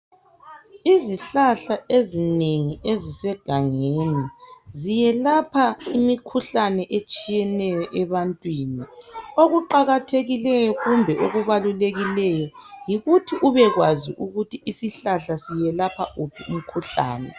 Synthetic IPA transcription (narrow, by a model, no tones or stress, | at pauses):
iziɬaɬaezineŋiezisɛɡ̥ʱaŋeːnizijɛlapʰaimikʰuɬanɛʔet͡ʃʼijɛnɛjɔʔɛβantʼwiːnioɣuǃaɣatʰeɣilɛjɔɣumbʱɛʔoɣuβaluleɣilɛjɔjiɣutʰiʔuβɛɣwaziʔuɣutʰiʔisiɬaɬasijɛlapʰa̰ʔupʰium̩kʰuɬa̰ːnɛ